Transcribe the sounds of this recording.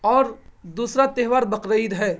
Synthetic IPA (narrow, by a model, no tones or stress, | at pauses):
ɔːɾd̪uːsɾat̪eɦʋaːɾbəkɾəjd̪ɦɛː